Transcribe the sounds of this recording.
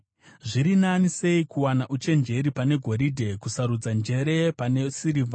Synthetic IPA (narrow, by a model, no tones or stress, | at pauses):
ʐiɾinanise̞ikuwanaʔut͡ʃe̞nd͡ʒe̞ɾipane̞ɡʱo̞ɾidʱe̞kusaɾud͡zand͡ʒe̞ɾe̞pane̞siɾiːvʱa